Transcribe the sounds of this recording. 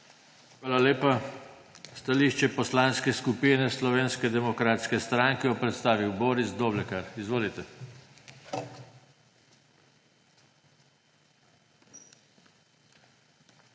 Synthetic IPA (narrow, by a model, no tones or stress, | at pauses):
xʋaːlaleːpa | st̪aliːʃt͡ʃɛpɔslaːnskɛskupiːnɛslɔʋeːnskɛd̪ɛmɔkɾaːt̪skɛst̪ɾaːŋkɛjɔpɾɛt̪st̪aːʋiwboːɾisd̪oːblɛkaɾizʋoːlit̪ɛ